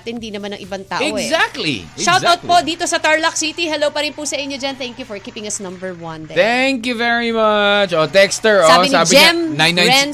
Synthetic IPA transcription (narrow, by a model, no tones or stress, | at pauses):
t̪ɪnd̪iːnɐmanɐ̰ŋʔɪbaŋt̪a̰ːʔɛɡzak̚t̪lḭʃawt̪awt̪pod̪iːt̪o̞sɐt̪aɹlɐk̚sit̪iɦɛlowpɐɾɪnpusɐʔɪɲːod͡ʒɐnt̪ɛ̃ŋkjufɔɹkiːpɪ̃ŋɐsnɐ̃mbɛɹwɐ̃nt̪ɛŋkjuvɛɹimɐt͡ʃot̪ɛkst̪ɛɹsaːɪsnaːbɪɛmnãnjɛ̃n